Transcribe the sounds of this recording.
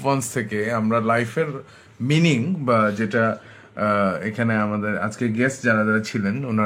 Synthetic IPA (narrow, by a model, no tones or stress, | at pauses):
pɔnst̪ʰekeamɾalajfeɾ | miniŋbad͡ʑeʈa | ekʰaneamad̪eɾa̰d͡ʑkeɡɛsʈd͡ʑaɾadaɾat͡ɕʰilenuna